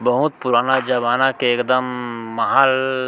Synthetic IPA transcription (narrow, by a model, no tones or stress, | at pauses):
bəɦut̪̚puɾaːnad͡ʒəβaːnakeːkd̪əmːəɦaːl